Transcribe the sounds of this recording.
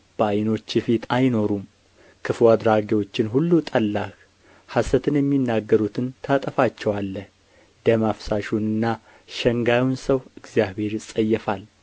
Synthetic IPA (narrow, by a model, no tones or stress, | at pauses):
b̥əajno̞t͡ʃːɪfit̪ʰajno̞ɾum | kʰɨfwad̪ɾaɡewo̞t͡ʃːɪnɦulːut̪ʼəlːak | hasət̪ʰɨnjɛmːinːaɡːəɾut̪ʰɨnt̪ʰat̪ʼəfat͡ʃːɛwalːəh | d̪əmafsaʃunɨnːa | ʃɛŋɡawnsəwɨɡzjaβhe̞ɾɨsʼəjːɛfal